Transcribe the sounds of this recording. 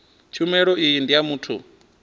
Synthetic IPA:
t͡ʃʰumɛɺɔijindijamuːtʰṵ

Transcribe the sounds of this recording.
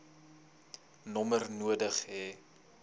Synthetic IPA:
nɔmərnuədəχɦɛ

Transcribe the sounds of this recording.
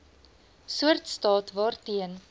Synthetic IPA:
suərtstɑːtvɑːrtiən

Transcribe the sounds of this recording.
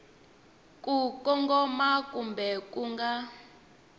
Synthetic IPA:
kʼukʼɔŋɡɔmakʼumbɛkʼuŋɡa

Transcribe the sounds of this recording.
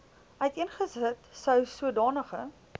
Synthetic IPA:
œɥtiənχəzətsœwsuədɑːnəχə̰

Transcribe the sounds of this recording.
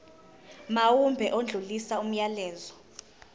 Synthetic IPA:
mawumbʱɛʔond͡ɮʱulisaum̩jalɛːzɔ

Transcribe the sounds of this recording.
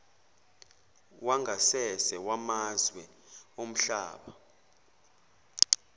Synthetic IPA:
waŋɡʱasɛsɛwamazwɛ | om̩ɬa̰ːɓa

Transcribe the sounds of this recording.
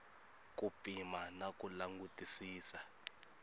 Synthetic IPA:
k̬ʼupʼimanakʼulaŋɡutʼisiːsa

